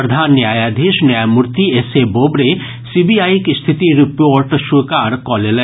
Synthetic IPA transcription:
d̪ʱanːjajad̪ʱiʃnamuɾt̪iesebobɾe | sibiajkest̪ʰit̪iɾipoɾʈʃukaɾkɔlelɛ

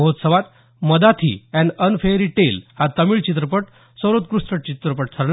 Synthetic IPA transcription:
əɦot̪səʋat̪ | məd̪at̪ʰḭɛ̃ɳɖənfeɾiʈelhat̪əmiːɭt͡ɕit̪̬ɾəpəʈ | səɾot̪̚kɾust̪ɾəʈt͡ɕit̪ɾəpəʈ̚t̪ʰəɾl

